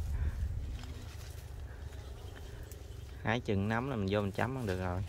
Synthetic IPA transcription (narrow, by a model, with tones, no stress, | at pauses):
ha̰ː˧˩˦jt͡ɕɨ̰˧˨ŋna˨˦mlaː˨˩mi˨˩ŋzo˧mi˨˩ŋt͡ɕa˨˦mʔa˧ŋɗɨ˨˩ək̚zo˨˩j